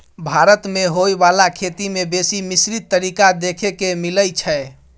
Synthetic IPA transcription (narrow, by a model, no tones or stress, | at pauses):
bʱaɾət̪meɦojbalakʰet̪imebesimisɾit̪ːəɾikad̪ekʰekemiləjt͡ʃʰɛ